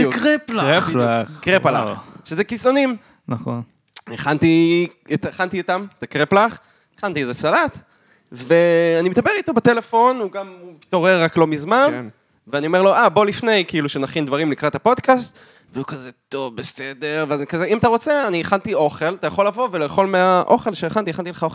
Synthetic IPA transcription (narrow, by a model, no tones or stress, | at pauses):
kʁeplaʁeplakʁepala̰χʃezekiso̞nim | naχon | eχant̪iet̪eχant̪iit̪amt̪akʁeplaχ | eχant̪iezesalat̪ | ve̞animed̪abeʁit̪o̞bat̪ele̞fo̞nuɡampit̪oʁeʁːaklo̞mizman | veanio̞me̞ʁlo̞ʔabo̞lifne̞jkiiluʃenaχindvaʁimlikʁat̪hapo̞d̪kast̪ | veukazet̪o̞vbesede̞ʁveazekazeimat̪aʁo̞t͡seaniːχant̪io̞χe̞lat̪ajaχo̞lːavo̞veleχo̞lmeaʔo̞̰χe̞lʃeeχant̪ieχant̪ileχao